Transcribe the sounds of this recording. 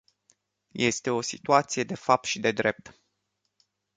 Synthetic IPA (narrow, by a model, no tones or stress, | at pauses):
je̞st̪e̞o̞sit̪uat̪sije̞d̪e̞fap̚t̪ʃid̪e̞d̪ɾe̞p̚t̪